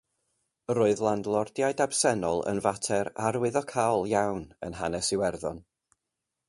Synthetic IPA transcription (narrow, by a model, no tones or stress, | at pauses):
roːɨðlˠandlˠɔrd̥jaɨdab̥sɛnɔlˠə̰nvatʰɛɾaɾwɪðɔkʰawlˠjawnə̰nɦanɛsɪwɛrðɔn